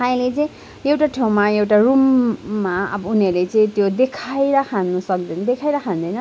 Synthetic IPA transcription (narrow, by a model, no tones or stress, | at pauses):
aĩlet͡sʌĩ | ewʈaʈʰew̃maewʈarumːaʌ̰bʌuniʌrlet͡sʌĩt̪jod̪ekʰajɾakʰanːusʌk̚d̪ʌjnd̪ekʰajɾakʰand̪ʌjnʌ